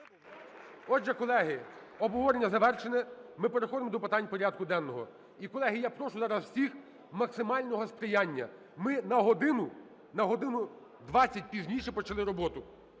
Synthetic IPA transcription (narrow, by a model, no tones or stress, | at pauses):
ɔdʒɛkɔlˠɛɦɪɔbɔʋɔɾenʲːɐzɐʋɛrʃenɛmɪpeɾexɔd̪ɪmɔd̪ɔpɪt̪ɑnʲpɔɾʲad̪̚kʊd̪ɛnːɔɦɔ̰ | ikɔlˠɛɦɪjapɾɔʃʊzɑɾɐswsʲix | mɐksɪmɑlʲnɔɦɔspɾɪjanʲːɐ | mɪnɐɦɔd̪ɪnʊ | nɐɦɔd̪ɪnʊ | d̪ʋɑt͡sʲːɐt̚ʲpʲizʲnʲiʃɛpɔt͡ʃɐlˠɪɾɔbɔt̪ʊ